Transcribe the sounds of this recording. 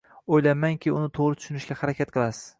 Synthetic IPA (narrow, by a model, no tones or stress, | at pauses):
ojlamaŋkʲʰɪʊnɪt̪ʰoʁɾɪt̪ʰʊ̥ʃʊnɪʃɡʲahaɾakʲat̪̚qʰɨlˠasɪ̥z̥